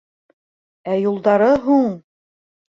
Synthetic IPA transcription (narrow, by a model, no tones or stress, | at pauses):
æjulˠd̪ɑɾɤɦuɴ